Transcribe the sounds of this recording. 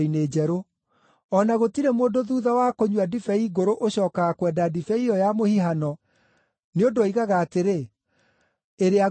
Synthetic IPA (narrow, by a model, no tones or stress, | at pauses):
ineːd͡ʑɛɾo | ɔnaɣotiɾemoːndoðuːðawakoɲwadifɛiɣoɾoʔoɕɔːkaɣakwɛdadifɛiɾɔjamohiɦanɔ | neodoaiɣaɣaːteɾe | eɾea